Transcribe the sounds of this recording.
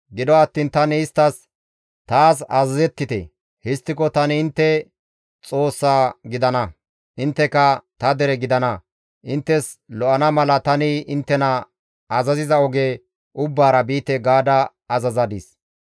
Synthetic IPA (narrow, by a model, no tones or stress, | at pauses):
ɡɪd̪ɔɐt̪ːiːnt̪ɐnɪɪst̪ːɐs | t̪aːs̬ɐ̰zɐzɛt̪ːɪt̪ɛ̰ | hɪst̪ːɪkɔt̪ɐnɪɪnt̪ːɛ | t͡sʼo̞ːsːaːɡɪd̪ɐnɐ | ʔɪnt̪ːɛkɐt̪ɐd̪ɛɾɛɡɪd̪ɐnɐ | ʔɪnt̪ːɛs | lɔʔɐnɐmɐlɐt̪ɐnɪɪnt̪ːɛnɐ | ɐzɐzɪzɐɔɡe | ʔʊbːaːɾɐbiːt̪ːɛɡaːd̪ɐ | ɐzɐzɐd̪ɪs